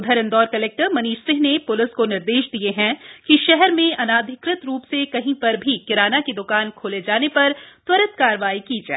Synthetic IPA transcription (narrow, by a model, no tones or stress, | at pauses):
ʊd̪ʱəɾə̃nd̪ɔːɾkɐleːk̚ʈəɾmɐniːʃsɪ̃ɦnepʊlɪskonɪɾd̪eːʃd̪ieɦɛ̃kiʃɛɦɛɾmẽɐnaːd̪ʱɪkɾɪt̪ɾuːpsekɐɦĩpɐɾbʱikɪɾaːnaked̪ʊkaːnkʰoːled͡ʒaːnepɐɾt̪wɐɾət̪kaːɾʋaːikiːd͡ʒaː